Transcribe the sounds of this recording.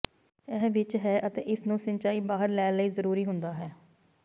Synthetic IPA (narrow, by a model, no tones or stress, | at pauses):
ɛːʋɪt͡ʃɦɛːʔət̪eːʔɪsnũːsənt͡ʃaːiːbaːɦəɾlɛːləiːzəɾuːɾiːɦʊnd̪aːɦɛː